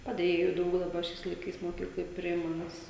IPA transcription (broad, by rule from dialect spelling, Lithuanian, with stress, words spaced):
pɐˈdʲeːjeːjʊ ˈdɐʊk dɐˈbɐ ˈʃʲɛɪs lˠɐɪˈkɐɪs moːˈkʲiːklˠoːj ˈpʲrʲɪɪmɐ ˈnʲɛs